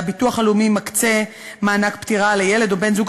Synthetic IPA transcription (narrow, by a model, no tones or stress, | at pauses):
bituaχalumimakt͡se̞ | maːnakpt̪iʁalejele̞d̪obe̞nzuɡ